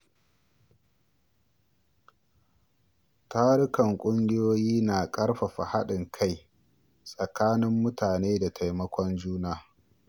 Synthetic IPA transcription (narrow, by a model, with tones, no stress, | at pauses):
taː˦ɾʊ˦kɐ˨ŋkʷʼʊ˦ŋɡʲɪ˦joː˦jiː˦naː˨kʼɐ˦ɽɸa˨ɸa̰˨ha˦ɗɪ˨ŋkʰa˦˨j | sʼɐ˨kaː˦nɪ˦mːʊ˦taː˨neː˦da˨tʰa˨jmɐ˦kʷɔ˦nd͡ʒuː˦naː˦